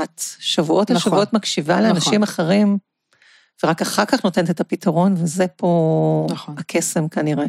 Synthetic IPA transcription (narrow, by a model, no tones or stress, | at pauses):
at̪ʃavuʔo̞talʃavuo̞tmakʃivaleanaʃimaχeʁim | veʁakaχaʁkaχno̞t̪ent̪et̪apitʰaʁo̞nvezepʰo̞ | akʰe̞se̞mkaniʁe